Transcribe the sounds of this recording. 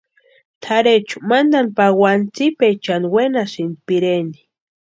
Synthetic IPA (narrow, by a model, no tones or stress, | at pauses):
t̪ʰaɾet͡ʃʊ̥mand̪anpawant͡sipet͡ʃanwenasɪnpɪɾeni̥